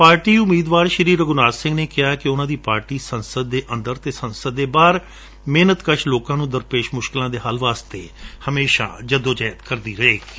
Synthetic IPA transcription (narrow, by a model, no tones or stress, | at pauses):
paːɾʈiːʊmiːd̪ʋaːɾʃəɾiːɾəɡʊnaːɾsɪ̃ŋɡneːkɪjaːkɪʊnãːd̪iːpaːɾʈiːsənsəd̪ːeːʔənd̪əɾt̪eːsənsəd̪ːeːbaːɾ | meːnət̪kəʃloːkãːnũːd̪əɾpeːʃmʊʃkɪlãːd̪eːɦaːlʋaːst̪ḛːhəmeːʃã̰ːd͡ʒəd̪õːd͡ʒɛːjət̪kəɾd̪iːɾəeːi